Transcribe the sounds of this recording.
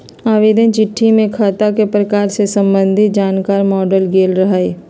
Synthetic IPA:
aːʋeːd̪ə̃nt͡ʃɪʈʰːimẽkʰaːt̪akepɾɐkaːɾsesɐ̃mbə̃nd̪ʱɪt̪̚d͡ʒaːnkaːɾmɔːɖəlɡeːlɾɐɦaːeː

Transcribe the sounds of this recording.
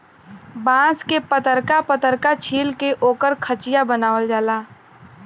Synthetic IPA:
bãːskepət̪əɾkapət̪əɾkat͡ʃʰiːlkeʔoːkəɾkʰət͡ʃɪjabənaːʋəld͡ʒaːlaː

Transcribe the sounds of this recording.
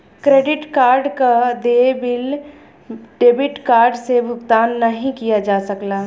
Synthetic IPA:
kɾeːɖɪʈkaːɾɖkad̪ebɪl | ɖeːbɪʈkaːɾɖsebʱʊɡt̪aːnːɐɦĩkijad͡ʒaːsəklaː

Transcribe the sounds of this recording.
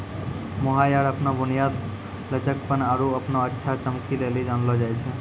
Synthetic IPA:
mɔɦajaɽəpnɔbunijad̪ | lət͡ʃək̚pənaɾuəpnɔətːʃʰat͡ʃəmkilelid͡ʒanlɔd͡ʒajt͡ʃʰɛ

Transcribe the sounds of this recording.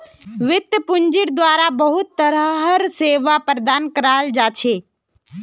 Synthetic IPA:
ʋɪt̪jəpʊɲd͡ʒɪɾd̪waːɾabəɦʊt̪ːəɾəɦəɾseːʋapɾd̪aːnkəɾaːld͡ʒat͡ʃʰeː

